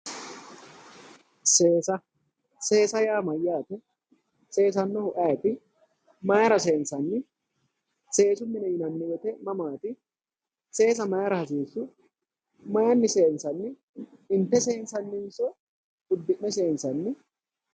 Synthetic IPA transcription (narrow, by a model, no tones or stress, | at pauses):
seːsɐ | se̞ːsɐjaːmɐjːaːt̪ɛ | se̞ːs̬ɐnːɔhʊʔɐjɐt̪ɪ | mɐjɐɾɐse̞ːnsɐnːɪ | se̞ːsʊmːɪnɛjɪnɐnːɪjɛt̪ɛmɐmaːt̪ɪ | se̞ːs̬ɐmɐjɐɾɐhɐs̬iːsːʊ | mɐjɐnːɪse̞ːnsɐnːɪ | ɪnt̪ːɛseːnsɐnːɪnsɔ | ʊd̪ːɪʔːɛse̞ːnsɐnːɪ